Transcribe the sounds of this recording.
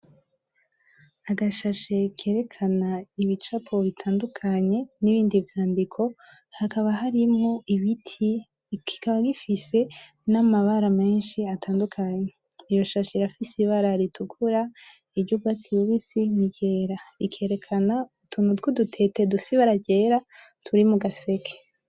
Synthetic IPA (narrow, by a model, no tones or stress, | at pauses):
aɡaʃaʃe̞kʰe̞ːɾe̞kʰanaiβit͡ʃapʰo̞βitʰaːndukʰaɲe̞niβiːndivjaːndikʰo̞ | hakaβaɦaɾimŋo̞iβitʰi | kʰi̥kaβaɡifise̞ | namaβaɾame̞ːnʃiatʰaːndukʰaɲe | ijo̞ʃaʃiɾafisiβaɾaɾitʰukʰuɾa | iɾɟuɡɡwat͡siβuβisiniɟe̞ːɾaikʰe̞ːɾe̞kʰanautunutɡodutʰe̞tedusiβaɾaɟe̞ːɾa | tʰuɾimuɡase̞kʰe̥